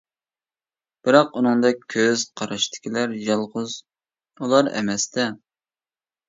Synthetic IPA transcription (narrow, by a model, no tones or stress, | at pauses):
b̥ɪɾɑqunɨŋd̪ɑkʲʰøz̥qʰɑɾɑʃt̪ʰɪ̥kʲilæɾjɑlˠʁʊz | ulˠɑɾɛ̰mɛst̪ɛ